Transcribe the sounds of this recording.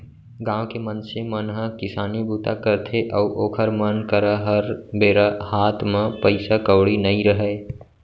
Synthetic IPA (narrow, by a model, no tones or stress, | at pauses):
ɡãːwkemənsemənɦəkɪsaːnibʱuːt̪akəɾt̪ʰeʔəuʔoːkʰəɾmənkəɾaɦəɾbeːɾahaːt̪ʰmẽpəɪsakəwɽinəĩɾəɦə